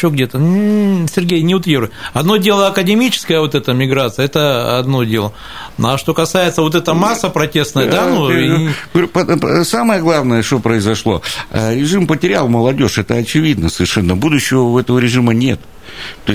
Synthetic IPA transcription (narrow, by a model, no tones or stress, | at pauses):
oɡdʲet̪ənsʲɪrɡʲejnʲɪʊt̪vʲeɾʊjɐd̪no̞dʲe̞lˠəɐkədʲɪmʲit͡ɕɪ̥skəjəvo̞t̪ɛt̪əmʲɪɡɾat̪sɨjəɛt̪əɐ̰d̪no̞dʲe̞lˠə | naʂt̪o̞kɐsajɪt̪səvo̞t̪̬ɛt̪əmasːəpɾɐtʲe̞st̪nəjəd̪anuɡəupəsaməjəɡlˠavnəjəʂt̪opɾəɪzɐʂlˠo̞̰ə̰ɾʲɪʐɨmpətʲɪɾʲalˠməlˠɐdʲo̞ʂɛt̪əɐt͡ɕɪvʲid̪nəsəvʲɪrʂɛnːəbud̪ʊɕːɪvəɛt̪əvəɾʲɪʐɨmənʲe̞t̪ | t̪oɪsʲ